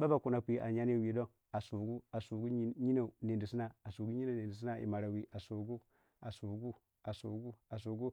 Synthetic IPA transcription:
ba˦ba˨ku˨na˨pʷi˦˨˦ʔa̰˨ɲa˦ni˦˨wi˨do˦ŋ | a˨su˨ɡu˦a˨su˨ɡu˦ɲi˦na˨ne˨ndi˨si˦na˨a˨su˨ɡu˦ɲi˦na˨ne˨ndi˨s̬i˦na˦ḭ˨ma˨ɾa˨wi˨ʔa˨su˨ɡu˦ | a˨su˨ɡu˦ | a˨su˨ɡu˦a˨s̬u˨ɡu˦

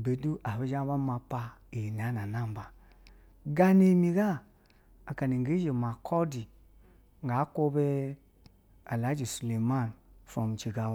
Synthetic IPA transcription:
be˨du˦ʔa˨βe˦d͡ʒa˦ba˦ma˧pa˧ | e˨n˨a˨˦na˨na˦˨m˨ba˨ | ɡa˦ne˦mi˨ɡa˦ | a˨ka˨ni˨ŋɡe˨˦e˨ma˨kʰɔ˦di˨ | ŋɡa˨˦ko˦be˦ | a˨la˨˦d͡ʒu˨su˨le˨ma˦˨nfɾɔ˨m˨t͡ʃi˨ɡa˨w

